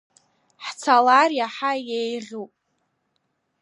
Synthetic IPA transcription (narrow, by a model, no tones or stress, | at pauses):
ħt͡sʰalarjaħajejʁʲupʼ